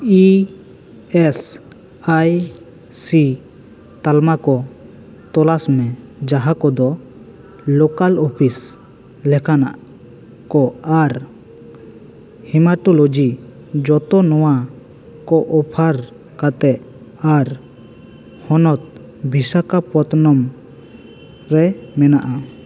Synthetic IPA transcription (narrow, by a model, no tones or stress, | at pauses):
i | ɛs | aj | si | t̪almakɔ | t̪ɔlasmɛ̃d͡ʒaɦakɔd̪ɔ | lɔkalɔpʰis | lɛkʰana̰ʔ | kɔaɾ | himaʈɔlod͡ʒi | d͡ʒɔt̪ɔnɔwa | kɔʔɔpʰaɾ | kat̪ɛʔ | aɾ | hɔnɔt̪̚ | bʱisakapɔt̪nɔm | ɾɛmɛnaʔa